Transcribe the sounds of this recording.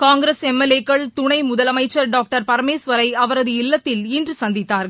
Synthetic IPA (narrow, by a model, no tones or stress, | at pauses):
kaːŋɡɾesɛmːɛlːeːkːɐɭt̪ʊɳɐɪmʊðɐlɐmɐɪt͡ʃːɐɾɖaːk̚ʈɐɾpɐɾɐmeːsʋɐɾɐɪɐʋɐɾɐðɯɪlːɐt̪ːɪlɪndrɯsɐnd̪ɪt̪ːaːɾɣɐ